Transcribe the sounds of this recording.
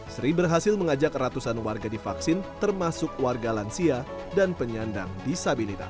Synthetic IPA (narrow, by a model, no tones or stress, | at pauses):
sɾibərɦasɪlməŋad͡ʒakrat̪usanwarɡadifaksɪnt̪ərmasʊkwarɡalansia | danpəɲanda̰ŋdisabilit̪a̰